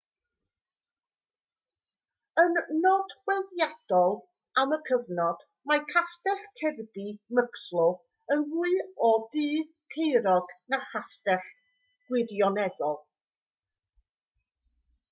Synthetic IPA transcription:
ənːɔd̥wɛlðjad̥ɔlˠ | aməkʰəvnɔd̥ | majkʰastɛɬkʰɛrbiməkslˠʊ | ənvuɨɔdiː | kʰejɾɔɡnaχastɛχ | ɡ̥wɪdjɔnɛðɔlˠ

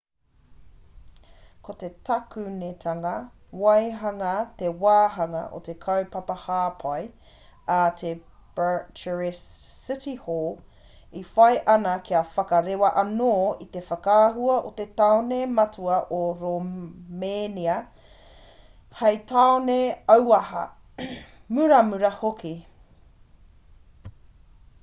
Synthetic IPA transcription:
kot̪e̞tʰɐkʉnet̪ʰɐŋɐ | wɐjɦɐŋɐt̪ewaːɦɐŋɐ̰ʔo̰t̪ekʰɐwpɐpɐhaːpʰɐj | at̪ʰe | b̥ət͡ʃəɹis | ɪtihoːl | ifɐjʔɐnɐkʰiɐfɐkɐɾewɐʔɐnoːit̪e̞fɐkaːɦuɐʔot̪et̪aonemɐtʰuɐʔoɾomeːniɐ | hɐjt̪aoneɐwɐhɐ̰ | mʉɾɐmʉɾɐhokʰi

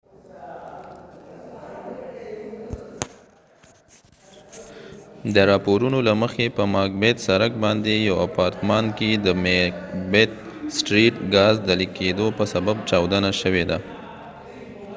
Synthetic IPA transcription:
d̪əɾɑpoɾunolaməxepəmɑk̚bet̪saɾak̚bɑnd̪ejawapɑɾt̪mɑnked̪əmekbet̪̚ | sʈɾiʈɡɑzd̪əlikʰed̪opəsabab̚t͡ʃɑwd̪ənaʃəwed̪a

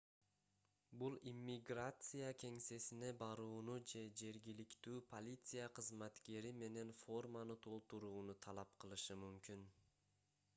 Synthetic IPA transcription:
bulˠimʲːiɡrat̪sɨjakʲʰe̞ŋse̞sine̞bɑɾuːnud͡ʒe̞d͡ʒe̞ɾɡʲilikt̪yːpʰo̞lʲit̪sɨjaqʰɯzmat̪ke̞ɾime̞ne̞nfo̞rmanɯt̪ʰo̞lˠt̪uɾuːnut̪ʰɑlˠɑpqɯlˠɯʃɯmymkʲyn

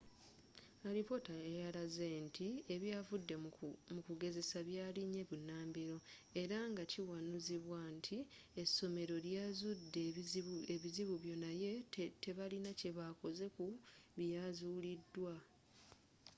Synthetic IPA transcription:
aɾipo̞taejalaze̞ntʰieβjaːvudːe̞mukuɡe̞ze̞saβjaːliɲe̞βunːaːmbiɾo̞e̞ɾaŋɡaciwanuziβwantʰi | esːo̞me̞ɾo̞ljazudːeeβiziβuβjo̞naje̞te̞βalinace̞βako̞ze̞kuβjazuːlidːwa

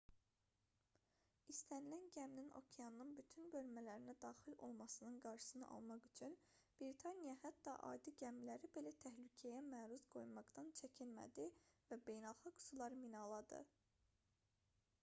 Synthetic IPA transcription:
ist̪ænilænɟæmnino̞̰cʰeɑnnɯnbyt̪ʰynbø̞lmælæɾinæd̪ɑːxilo̞̰lˠmɑsɯnɯnɡɑɾʃɯ̥sɯnɯ̰ʔɑ̰lˠmɑχyt͡ʃʰyn | b̥ɾit̪ʰɑnijɑhæt̪ːɑʔɑ̰jd̪ɯɟæmlæɾibe̞læt̪ʰæhlycʰæjæmæːɾuzɡo̞jmɑɡd̪ɑnt͡ʃʰæcʰinmæ̰d̪ivæbe̞jnælˠxɑɡsulˠɑɾɯminɑlˠɑd̪ɯ̰

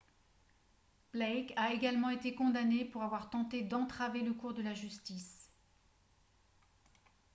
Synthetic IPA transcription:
b̥lɛkaeɡalmɑ̃et̪ekɔ̃d̪anepuʁavwaʁt̪ɑ̃t̪ed̪ɑ̃t̪χaveləkuʁd̪əlaʒyst̪is

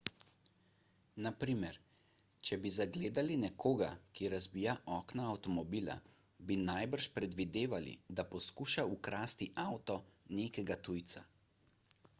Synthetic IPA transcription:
napɾiːmɛɾ | t͡ʃɛbizaɡleːd̪alinɛkʰoːɡa̰kiɾazbiːjaʔɔːknaːwt̪ɔmɔbiːla̰ | binajbəɾʃpɾɛd̪ʋid̪eːʋalḭd̪apɔskuːʃaukɾaːst̪iʔawt̪ɔneːkɛɡat̪ujt̪sa

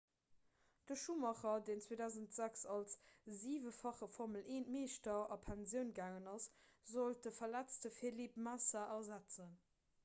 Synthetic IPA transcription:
d̥əʃumɑχɐdeːnt͡sweːdæʊzəntz̥æksɑlsziːvəfɑχəfɔʁməlʔeːnmeːʃtɐɑpʰænzjəʊnɡaːŋənɑszolt̚dəfɐlæt͡stəfelipmasaʔɐzæt͡sən

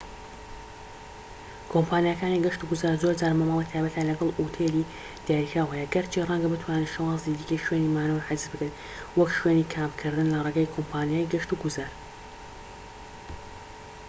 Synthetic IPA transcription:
kʰompʰaːnijakaːniɡɐʃt̪uɡuzaːɾzoɾd͡zaːɾmaːmɑlˠit̪ʰaːjbɐt̪aːlɐɡɐlˠʔut̪ʰeli | d̪̥aːjikɾaːwhɛjɛɡɐɾt͡ʃʰirˤɐŋɡɐbɨt̪ʰwaːneʃɐwɑːzid̪ikɐjʃwenimaːnoɾħɪzzbɨkan | wɐkʃweniːkʰaːmkʰɨɾd̪ɨnlɐreɡaːjkʰompʰaːnijaːjɡɐʃt̪uɡuzaːɾ

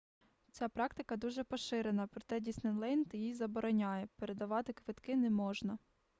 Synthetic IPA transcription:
t͡sʲapɾɑk̚t̪ɪkɐd̪uʒɛpɔʃɪɾe̞nɐpɾɔt̪ɛdʲisnɪnlˠɛnt̪jijzɐbɔɾɔnʲajɛpeɾe̞d̪ɐʋɑt̪ɪkʋɪt̪kɪnɛmɔʒnɐ

